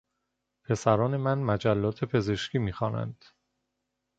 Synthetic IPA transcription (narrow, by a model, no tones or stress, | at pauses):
pʰe̞sæɾɒːne̞mænmæd͡ʒælːɒːt̪ʰe̞pʰe̞ze̞ʃciːmiːxɒːnæ̰nd̪̥